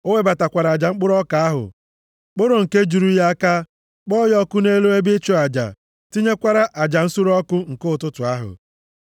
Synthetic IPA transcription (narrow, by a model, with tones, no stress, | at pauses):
o˦we˦ba˨ta˨kʷa˨ɾa˨a˨d͡ʒa˨ŋ͡m̩˦k͡pʊ˦ɾɔ˦ka˨a˦ɦʊ̰˨ | k͡pʊ˦ɾo˨ŋ̩˨ke˦d͡ʒu˨ɾu˦ja˦a˦ka˦ | k͡pɔ˦jɔ˦kʊ˦ne˦lu˦e˦bɪ˦t͡ʃo˦a˨d͡ʒa̰˨ | ti˦ɲe˦kʷa˦ɾa˦ʔa˨d͡ʒa˨n̩˦su˦ɾɔ˦kʊ˦ŋ̩˨kʊ˦ʊ˨tʊ˦tʊ˨a˦ɦʊ̰˨